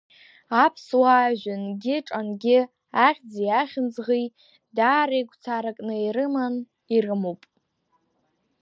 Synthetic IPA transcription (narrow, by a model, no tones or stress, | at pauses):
apʰswaːʒʷᶣanɡʲɪʈ͡ʂʼanɡʲɪ | aχʲd͡zijaχʲɪnd͡zʁi | daːɾejɡʷt͡sʰaɾakʼnɨiɾɨman | irɨmowpʼ